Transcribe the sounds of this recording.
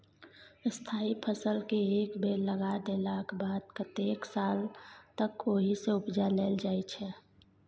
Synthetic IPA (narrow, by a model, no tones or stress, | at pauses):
st̪ʰaːipʰəsəlkeeːkbeləɡad̪elaːkʰbaːd̪̚kət̪eːksaːlt̪əkoːɦiseʊpd͡ʒaleːld͡ʒaːit͡ʃʰɛ